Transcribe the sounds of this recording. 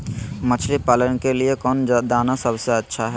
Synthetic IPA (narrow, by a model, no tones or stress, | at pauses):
mət͡ʃʰlipaːlənkeliekɔːnd͡ʒd̪aːnasəbseɐtːʃʰaɦɛ